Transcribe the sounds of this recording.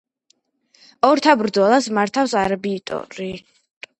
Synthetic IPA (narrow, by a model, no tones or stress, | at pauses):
ɔɾt̪ʰabɾd̪zɔlˠasmaɾt̪ʰafsaɾabiːt̪ʼɔ̰ɾi